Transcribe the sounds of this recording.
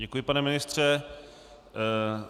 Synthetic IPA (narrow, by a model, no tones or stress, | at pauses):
ɛkujɪpanɛmɪnɪst̪r̝̥ɛ